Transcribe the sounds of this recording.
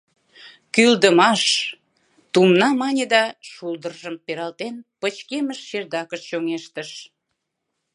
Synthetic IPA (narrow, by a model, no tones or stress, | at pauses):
kyld̪əmɑʃ | t̪umnɑmɑnʲed̪ɑʃuld̪ərʒəmpeɾɑlt̪enpət͡ɕkeməʃːerd̪ɑkəʃt͡ɕoŋeʃt̪əʃ